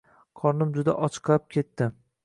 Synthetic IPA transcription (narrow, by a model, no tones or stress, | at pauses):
qʰɒɾnɪmd͡ʒʊd̪a̰ʔɒt͡ʃʰɨ̥qlˠap̚kʲʰe̞t̪ːɪ